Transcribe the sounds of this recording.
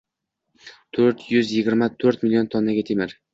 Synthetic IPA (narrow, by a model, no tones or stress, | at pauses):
t̪ʰɵɾt̪jʊzjɪɡʲɪɾmat̪ʰɵɾt̪mɪlijont̪ʰonːaɡʲat̪ʰemɪɾ